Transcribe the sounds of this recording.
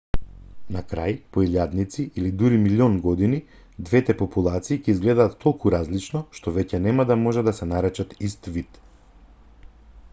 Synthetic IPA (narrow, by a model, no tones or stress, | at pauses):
nakɾa̰jpɔilʲjad̪nit̪siʔilid̪uɾimilʲiɔnɡɔd̪ini | d̪vɛt̪ɛpɔpulˠat̪siːcɛizɡlɛd̪aːt̪ːɔlˠkuɾazlit͡ʃnɔʃt̪ɔvɛcɛnɛmad̪amɔʒɛd̪asɛnaɾɛt͡ʃat̪ist̪vit̪